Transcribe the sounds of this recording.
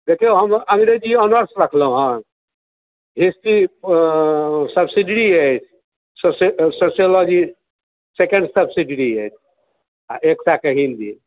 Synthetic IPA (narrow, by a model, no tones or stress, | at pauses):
d̪ekʰeɦəmə̃ŋɡɾed͡ʒiənəɾsɾəkʰlɦũɦã | ɦispi | səbsiɖiɽiəjt͡ʃʰ | sossosijolɔd͡ʒi | sekẽɳɖsəbsiɖiɽiəjt͡ʃʰ | aʔeksakeɦild̪ḭ